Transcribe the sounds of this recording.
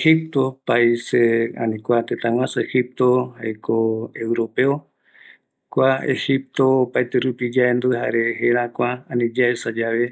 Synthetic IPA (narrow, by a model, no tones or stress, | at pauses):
ehip̚t̪o̞paiseã̰nĩkʷat̪et̪ãw̃ʷãsɨehip̚t̪ohajkʰoewɾo̞peo | kʷaḛhip̚t̪o̞ːpajt̪eɾupid͡ʒaend̪ueɦa̰ɾeheɾãkʷaanĩd͡ʒaesad͡ʒaβe